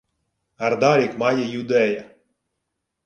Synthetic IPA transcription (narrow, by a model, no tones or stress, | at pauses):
aɾd̪aɾʲikmajajud̪ɛja